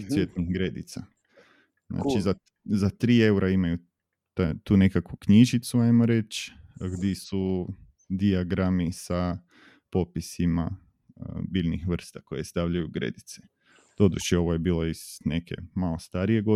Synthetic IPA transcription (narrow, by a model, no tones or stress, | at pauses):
sjet̪nixɡɾed̪ḭt̪sa | zna̰t͡ʃiza | zat̪ɾiːe̞uɾʔaimaju | t̪at̪uːne̞kakʋukɲiʒit̪suajmoɾe̞t͡ʃɡd̪jisu | d̪iaɡɾamisa | po̞pisima | bilʲnixʋr̩st̪ako̞jest̪aʋʎajuɡɾe̞̰d̪it̪se | d̪̥o̞d̪ṵt͡ʃeo̞ʋoje̞biːlˠo̞isnekʰe̞̰malo̞st̪aɾije̞ɡo